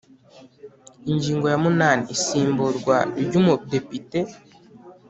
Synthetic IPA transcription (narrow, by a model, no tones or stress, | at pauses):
iɲɟiːŋɡo̞jamunaːniisiːmbuɾɡwaɟumude̞pite